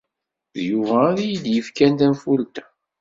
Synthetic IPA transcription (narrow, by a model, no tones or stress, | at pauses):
ðjuvæːðijid̪jəfkænt̪ænfʊlt̪æ̥